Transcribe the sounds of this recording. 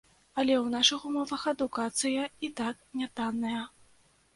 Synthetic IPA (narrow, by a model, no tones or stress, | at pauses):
ɐlʲɛwnaʂɨxumɔvɐxɐd̪ukat̪sɨjɐit̪ak̚nʲat̪anːɐjɐ